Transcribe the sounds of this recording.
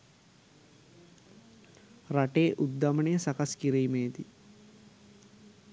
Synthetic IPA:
rɐʈeːʔud̪ːɐmɐɳejsɐkɐskiɾejimeːd̪i

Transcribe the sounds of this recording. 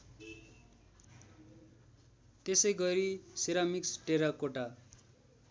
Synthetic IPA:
t̪esʌjɡʌɾisiɾamiksʈeɾakoʈa

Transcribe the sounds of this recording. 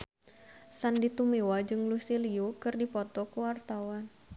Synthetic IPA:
sandit̪umewad͡ʒɨŋlusiliukɨrdipɔt̪ɔkuwart̪awan

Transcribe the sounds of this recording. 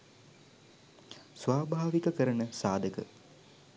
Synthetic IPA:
sʋaːbʱaːʋikəkəɾənəsaːd̪əkə

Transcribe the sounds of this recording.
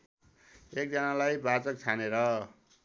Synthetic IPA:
ek̚d͡zʌnalajbat͡sʌk̚t͡sʰaneɾʌ

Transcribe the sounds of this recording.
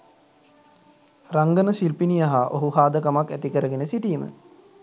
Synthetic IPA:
raŋɡənəʃilpinijaɦaʔoɦuɦaːd̪əkamakːæt̪ikəɾəɡenəsiʈiːmə̰

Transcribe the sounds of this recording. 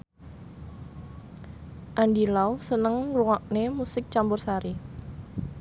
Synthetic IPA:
ʔandilawsənəŋruŋɔʔ̚nemusɪk̚t͡ʃambʊrsaɾi

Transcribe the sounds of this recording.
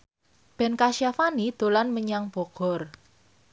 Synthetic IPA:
b̥ɛ̤nkaʃijafanid̪̥o̤lanməɲaŋb̥ɔ̤ɡ̥ɔ̤r

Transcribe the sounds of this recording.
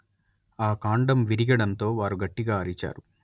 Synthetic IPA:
aːkaːɳɖɐmʋiɾiɡɐɽɐnt̪o̞ːʋaːɾuɡɐʈːiɡaːɐɾit͡ʃa̰ːɾu

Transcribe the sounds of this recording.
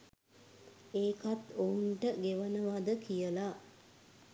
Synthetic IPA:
eːkat̪ounʈəɡeʋənəʋad̪əkijəla

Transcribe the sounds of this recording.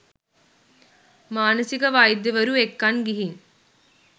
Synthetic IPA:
maːnəsikɐʋaːjd̪ːeʋɐɾuekːɐnɡiɦin

